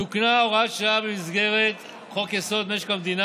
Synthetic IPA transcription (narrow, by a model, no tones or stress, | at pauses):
uknaoʁatʃaabemizɡe̞ʁet̪ | χokeso̞d̪meʃkamd̪ina